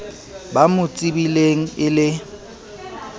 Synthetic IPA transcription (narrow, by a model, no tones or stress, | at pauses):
bamʊt͡sʼibileŋ̩ɪlɪ